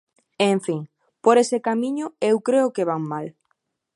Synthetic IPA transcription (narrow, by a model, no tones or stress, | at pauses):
eɱfiŋ | poɾesekamĩɲʊewkɾeʊkeβ̞aŋmal